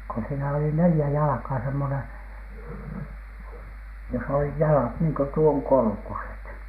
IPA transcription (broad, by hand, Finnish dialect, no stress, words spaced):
ko siːnæ oli nelĭjæ jɑlɑ̆kɑː semːonen̥ jos olih jɑlɑt niːŋ ko tuoŋ korkuset